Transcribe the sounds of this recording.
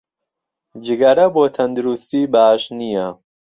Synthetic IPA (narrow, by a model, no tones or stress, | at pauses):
d͡ʒɪɡɐɾɐboːt̪ʰɐnd̪uɾust̪iːbaːʃnija